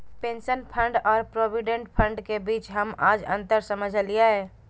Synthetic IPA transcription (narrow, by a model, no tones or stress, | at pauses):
pẽːnsənpʰəɳɖɔːɾpɾoːbiɖẽɳʈpʰə̃ɳɖkebiːt͡ʃɦəma̰ːd͡ʒə̰̃nt̪əɾsəməd͡ʒʱliaɦɛː